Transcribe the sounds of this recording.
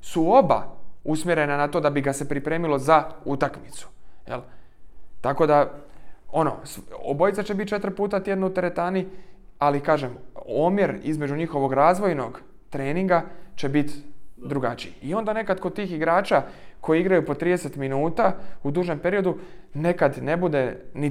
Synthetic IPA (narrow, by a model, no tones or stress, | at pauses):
suo̞ba̰usmje̞ɾe̞nanat̪o̞d̪abiɡase̞pɾipɾeːmilo̞zaut̪akmit̪su̥jḛl | t̪ako̞d̪a | o̞no̞̰so̰bo̞jt̪sat͡ʃe̞bit̪̚t͡ʃe̞t̪ɾ̩puːt̪at̪je̞d̪nuut̪e̞ɾe̞t̪aːni | alikaːʒemomjeɾḭzme̞d͡ʒuɲixo̞ʋo̞ɡɾaːzʋo̞jno̞ɡ | t̪ɾe̞ːniŋɡat͡ʃe̞bit̪d̪ɾuɡat͡ʃijio̞nd̪ane̞kad̪kod̪̚t̪iːxiɡɾaːt͡ʃako̞jiiɡɾajupo̞t̪ɾiːd̪eset̪minuːt̪aud̪uːʒe̞mpe̞ɾio̞d̪une̞kad̪ne̞bud̪e̞ni